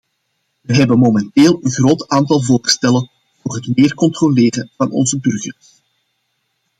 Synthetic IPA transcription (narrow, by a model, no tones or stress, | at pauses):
ʋəɦɛbənmomɛnteːlˠənɣroːtaːntɑlˠvoːrstɛlən | voːrɦətmeːrkɔntroleːrəvɑnɔ̰nzəbɵrɣərs